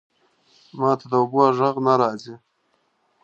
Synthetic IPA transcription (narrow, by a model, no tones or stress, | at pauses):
mɑːt̪ʰad̪əoboʒəɣnaɾɑːzi